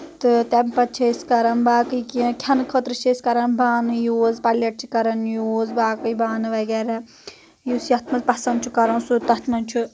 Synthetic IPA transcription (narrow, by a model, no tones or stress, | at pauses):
t̪ɨt̪empɐt͡ʃʰɐskɐɾɐnbaːkɨkikʲʰɐnkʰət̪ɾɨʃʰeskɐɾɐnbaːnɨjoːzpɐlɐʈ̚t͡ʃʰi̥kɐɾɐnjoːzbaːkɨjbaːnɨʋɐɡɛːɾɛ | jusjɐt̪ʰmɐzpɐsɐnd̪t͡ʃʰukɐɾɐnsut̪ɐt̪ʰnɐnt͡ʃʰu